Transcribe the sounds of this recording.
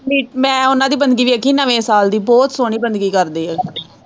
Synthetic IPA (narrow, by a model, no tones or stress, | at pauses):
iːmɛ̃ːʊnãːd̪iːbənd̪ɡiːʋiːəkiːnəʋẽːsaːld̪iːbɔːt̪soːɳ̃iːbənd̪ɡiːkəɾd̪eːɛː